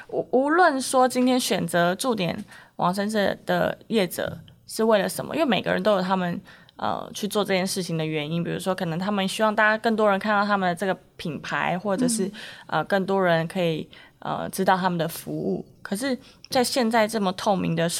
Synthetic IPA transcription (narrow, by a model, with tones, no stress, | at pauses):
u˨u˧˥lwə˥˨nʂwɔ˥t͡ɕi˥nt̪ʰjɛ˥nɕɥɛ˨˩nt͡sɤ˧˦ʈ͡ʂu˥˩t̪jɛ˨˩nwɑ̰˨˩ŋʂə˥nʂə˥˩d̪̥ə̰˩jɛ˥˩ʈ͡ʂɤ̰˨˩ʂɻ̩˥˧we˥˩ɪlə˩ʂə˧˥mə̰˧ʔi˥wme˨˩ɡə̰˦ɻə̰˧˦nt̪o˥ʊjʊt̪ʰa˥mə˨n | ə̰˨˩t͡ɕʰy˥˧t͡swɔ˥˧ʈ͡ʂɤ˥˧t͡ɕjɛ˥˧nʂɻ̩˥˩t͡ɕʰi˨ŋd̪ə˩ɥɛ˧˥ni˥npi˨˩ɻṵ˧˥ʂwɔ˥kʰɤ˨˩nə˧˥ŋt̪ʰa˥mə˨nɕy˥wɑ˥˧ŋt̪a˥˩t͡ɕa˥kə˥˩ŋt̪̬wɔ˥ɻə˧˥nkʰa˥˧nt̪ɑ˥˩t̪ʰa˥mə˨nd̪ə˩ʈ͡ʂɤ˥˩ɡə˩pʰi˨˩npʰa˧˥ɪxwɔ˥˩ʈ͡ʂɤ˨˩ʂɻ̩˥˩ə̰˨kə˥˩ŋt̪̬wɔ˥ɻə˧˦nkʰɤ˧˥i˨˩ | ʔə̰˨˩ʈ͡ʂɻ̩˥t̪ɑ˥˩ʊt̪ʰa˥mə˨nd̪ə˩fu˧˥ṵ˥˩kʰɤ˨˩ʂɻ̩˥˧t͡sa˥˧ɪɕjɛ˥˧nt͡sa˥˧ɪʈ͡ʂɤ˥˩mə˩t̪ʰo˥˩ʊmḭ˧˥ŋd̪ə˨